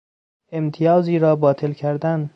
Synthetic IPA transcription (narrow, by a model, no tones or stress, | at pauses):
emt̪ʰijɒːziːɾɒːbɒːt̪ʰelcʰæɾd̪æn